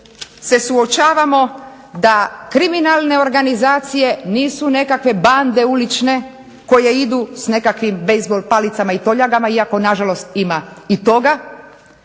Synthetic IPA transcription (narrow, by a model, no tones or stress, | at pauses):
se̞suo̞t͡ʃaːʋamo̞ | d̪akɾiminalˠne̞o̞ɾɡanizaːt̪sije̞niːsune̞kakʋe̞band̪e̞ulit͡ʃne̞ | ko̞je̞id̪usne̞kakʋimbejzbolpalit̪samait̪oʎaɡamaiako̞naʒalo̞st̪imait̪o̞ɡa